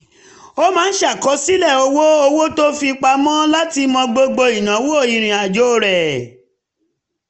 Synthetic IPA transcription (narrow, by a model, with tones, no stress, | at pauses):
o˦mãː˦n̩˦ʃa˦˨kɔ˨˦si˦lɛ˦˨o˧wo˦o˧wo˦to˦fi˧k͡pa˧˦mɔ̃˦la˦ti˧mɔ̃˧ɡ͡bo˧ɡ͡bo˧i˨nã˨˦wo˦o˦˨i˧ɾ̃ĩ˨a˨d͡ʒo˨˦˨ɾɛ˨